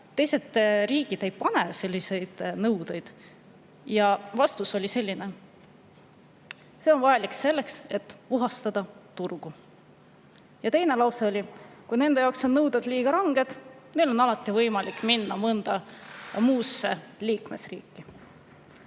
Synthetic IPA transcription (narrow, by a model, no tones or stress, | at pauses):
t̪e̞jse̞d̪riːɡid̪̥e̞jpɑne̞se̞lʲːise̞jd̪̥nɤwd̪e̞jd̪̥ | jɑvɑst̪uso̞lʲise̞lʲːine̞ | se̞o̞nvɑjɑlikse̞lːe̞kse̞t̪ːˑuɦɑst̪ɑd̪̥ɑt̪urɡ̥u | jɑt̪e̞jne̞lɑwseolʲikujne̞nd̪ejɑːwkso̞nːɤwd̪ɑd̪̥liːɡ̥ɑɾɑŋɡ̥e̞d̪̥ne̞lo̞nɑlɑt̪ːˑivɤjmɑlikːˑminːɑmɤnd̪̥ɑmuːsːḛliːkme̞srḭːkːi